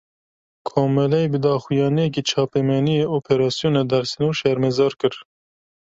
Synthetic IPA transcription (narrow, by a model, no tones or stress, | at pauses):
kʰoːmɛlɛjbɨd̪ɑːxujɑːnijɛk̬it͡ʃʰɑːpɛmɛnijeːʔoːpʰeɾɑːsijonɛd̪ɛɾsinoːʃɛɾmezɑːɾkɨɾ